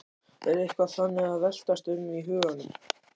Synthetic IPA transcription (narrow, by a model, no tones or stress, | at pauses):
ɛɾejhkvaθanːɪɣaðvɛl̥t̪ast̪ʏmiɦʏːɣanːʏm